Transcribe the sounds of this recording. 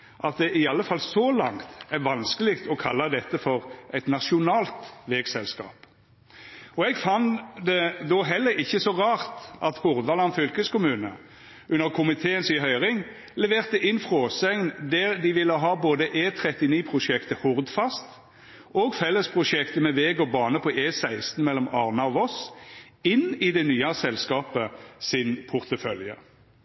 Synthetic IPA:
ʔɑt̪̚d̪ɛʔɪɑlːəfɑlsɔlɑŋt̪æʋɑnskəlɪkt̪ʰɔkʰɑlːɑd̪ɛt̪ːəfɔʁʔɛɪt̪nɑʂʊnɑːlt̪ʋɛːɡsɛlskɑ̰ːp | ɔɛɡfɑnd̪ɛd̪ɔɦɛlːəɾɪçːəsɔʁɑːʁt̪ʔɑt̪hʊʁd̪ʋɑlɑnfʏlkəskʊmʉːnə | ʉnːəʁkʰʊmɪt̪ʰeːənsɪɦœʏʁɪŋ | lɛʋeːʁt̪əʔɪnfʁoːsɛŋnd̪æɾd̪ɪʋɪlːəɦɑːboːd̪əʔeːt̪ʰɾɛt̪ɪniːpʰʁʊʃɛkt̪əhʊʁd̪fɑst̪ | ʔoːɡfɛlːəspʰʁʊʃɛkt̪əmɛʋeːɡɔbɑːnəpʰɔʔeːsæɪst̪n̩mɛlːɔmɑʁnɑɔʋɔs | ɪnɪd̪ɛnyːɑsɛlskɑːpəsɪnpʰʊʁt̪əfœljə̰

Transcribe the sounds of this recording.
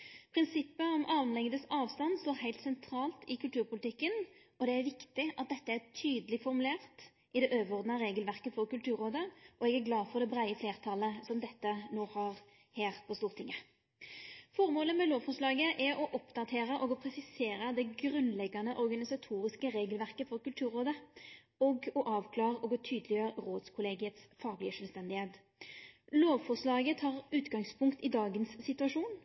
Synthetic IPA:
pʰɾɪnsɪpːəɔmʔɑːʋnlɛŋd̪əsɑːʋst̪ɑnst̪oːɾɦæɪlt̪sɛnt̪ʰɾɑːlt̪ɪkʉlt̪ʉːɾpʊlɪt̪ɪkːən | ɔd̪ɛæɾʋɪkt̪ɪʔɑt̪̚d̪ɛt̪ːəæt̪ʰyːd̪əlɪɡfɔɾmʉleːʁt̪ | ʔɪd̪ɛʔøːʋəʁɔʁd̪nɑɾeːɡəlʋæʁkəfɔɾkʉlt̪ʰʉːɾoːd̪əɔɛɡæɾɡlɑːfɔɾd̪ɛbʁæɪəfleːʁt̪ʰɑləsɔmd̪ɛt̪ːənoːhɑʁ | heːʁpʰɔst̪uːʁt̪ʰɪŋːə | fɔʁmoːləmɛloːʋfɔʂlɑːɡəʔɛɔʔɔpd̪ɑt̪ʰeːɾəʔɔɡɔpʰɾɛsɪseːɾəd̪ɛɡʁʉnlɛɡːɑnəʔɔʁɡɑnɪsɑt̪ʰuːɾɪskəɾeːɡəlʋæʁkəfɔʁkʉlt̪ʰʉːɾoːd̪ə | ɔɡɔʔɑːʋkʰlɑːʁəɔɡɔt̪ʰyːd̪əlɪjøːɾʁoːd̪skʰʊleːɡɪət̪sfɑːɡlɪəʂœlst̪ɛnd̪ɪheːt̪ | loːʋfɔʁʂlɑːɡət̪ʰɑːʁʉːt̪ɡɑŋspʰʊŋkt̪ɪd̪ɑːɡənsːɪt̪ʉɑʂuːn

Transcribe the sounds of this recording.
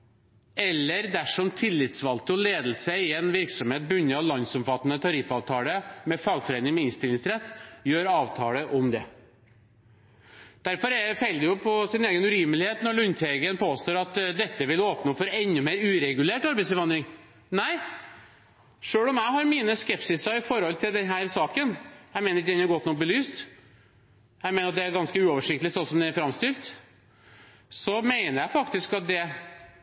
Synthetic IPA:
ɛlːəɾd̪æʂɔmt̪ʰɪlːɪt̪sʋɑlt̪əɔleːd̪əl̩səɪɛnʋɪɾksɔmheːt̪̚bʉnːəlɑnsɔmfɑt̪ːənət̪ʰɑɾɪfɑːʋt̪ʰɑːləmɛfɑːɡfɔɾeːnɪŋmɛɪnst̪ɪlɪŋsɾɛt̪ːjøːɾɑːʋt̪ʰɑːləʔɔmd̪ɛ | d̪̥æɾfɔɾɛfɛljʊpʰɔsɪneːɡənʉɾiːməlɪheːt̪nɔɭʉnt̪ʰeɡənpʰoːst̪oːɾɑt̪d̪ɛt̪ːəʋɪloːpnəɔfɔɾɛnːʉmeːɾʉːɾɛɡʉleːʈɑɾbɛɪsəʋɑnd̪ɾɪŋ | næɪ | ʂøːɽɔmjæɪɦɑɾmiːnəskɛpsɪsəɪfɔɾhɔlt̪ʰɪld̪ɛnɦæːɾsɑːkənjæɪmeɪnəɾd̪ɛnɑɾɡɔt̪ːnɔk̚bəlyːst̪ | jæɪmeɪnəɾɑt̪d̪ɛæɾɡɑnskəʉːɔːʋəʂɪk̚t̪əlɪsɔnsɔmd̪ɛæɾfɾɑmst̪yɾt̪ | sɔmeɪnəɾjæɪfɑkt̪ɪskɑt̪̚d̪ɛ

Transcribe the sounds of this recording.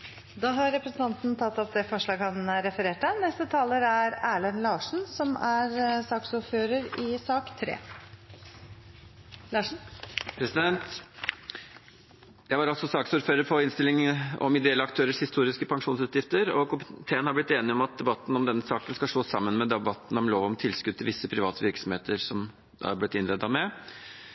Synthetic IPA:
d̪ɑːɦɑɾɾɛpɾəsənt̪ɑnt̪nt̪ʰɑt̪ːɔp̚d̪ɛfɔʂɭɑːɡhɑnɾɛfəɾeːʈənɛst̪ət̪ʰɑːləɾæɾæːɭənlɑːʂɳ̩sɔmæɾsɑːksʊɾføːɾəɾɪsɑːkt̪ʰɾḛː | lɑːʂn̩pʰɾɛsɪd̪ɛnt̪ | jæɪʋɑɾɑlsɔsɑːksuːɾføːɾəɾpʰɔɪnst̪ɪlɪŋɔ̰mɪd̪ɛɛlːəɑkt̪ʰøːɾəʂhɪst̪uːɾɪskəpʰɑŋʂuːnsʉːt̪jɪft̪əɾɔkʊmɪt̪ʰeːənhɑɾblɪt̪ːeːnɪɔmɑt̪̚d̪ɛbɑt̪ːn̩ɔmd̪ɛnːəsɑːkənskɑsʂoːsɑmːənmɛd̪ɛbɑt̪ːn̩ɔmloːʋɔmt̪ʰɪlskʉd̪t̪ʰːɪlʋɪsːəpʰɾɪʋɑːt̪əʋɪɾksɔmheːt̪əɾsɔm | ɑ̰ɑ̰ɾblɪt̪ːɪnlɛd̪ɑmɛ

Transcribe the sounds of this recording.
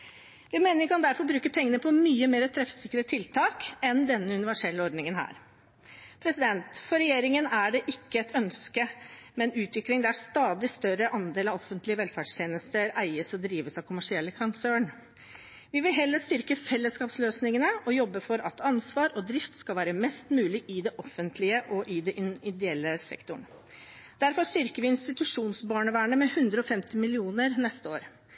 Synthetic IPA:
ʋɪmeːnəɾjʊkʰɑnd̪æɾfɔɾbɾʉːkəpʰɛŋːənəpʰɔmyːəmeːɾət̪ʰɾɛfsɪkːəɾət̪ʰɪlt̪ʰɑːkɛnd̪ɛnːəʉnɪʋæʂɛlːəɔɾd̪nɪŋənhæ̰ːɾ | pʰɾɛsɪd̪ɛnt̪fɔɾɛjeːɾɪŋənæɖɛʔɪkːəɛt̪ʰœnskəmɛnʉːt̪ʋɪklɪŋd̪ɛæɾst̪ɑːd̪ɪst̪œɾəʔɑnd̪eːlɑʋɔfːənt̪lɪəʋɛlfæːɖʂt̪ʰjeːnəst̪əɾæɪəsɔd̪ɾiːʋəsɑʋkʰʊmæʂɪɛlːəkʰɑnsøːɳ | ʋɪʋɪlɦɛlːəʂt̪ʏɾkəfɛlːəskɑːpsløːsnɪŋənəʔɔjɔbːəfɔɾɑt̪ɑnsʋɑːɾɔd̪ɾɪft̪skɑlʋæːɾəmɛst̪mʉːlɪʔɪd̪ɛʔɔfənt̪ʰlɪəʔɔʔɪd̪ɛʔɪnɪd̪ɛɛlːəsɛ̰kt̪ʊɳ | d̪̥æɾfɔɾʂt̪ʏɾkəɾʋɪɪnst̪ɪt̪ʉʂuːnsbɑːɳəʋæːɳəmɛhʉnd̪ɾəɔfɛmt̪ɪmɪlɪuːnəɾnɛst̪əoːɾ

